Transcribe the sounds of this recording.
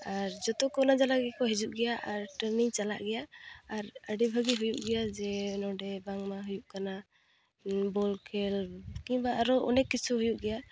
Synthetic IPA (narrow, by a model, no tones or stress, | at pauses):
aɾd͡ʒɔt̪ɔkɔnad͡ʒalaɡɛkɔɦid͡ʒuʔɡɛjaʔaɾʈəɾniŋt͡ʃala̰ʔɡɛjaːɾəɖibʱaɡiɦujuʔ̚ɡɛjad͡ʒɛnɔɖɛbaŋmaɦujuʔkana | bɔlkɛlkĩbaʔaɾɔʔɔ̰nɛkːit͡ʃʰuɦujuʔɡɛja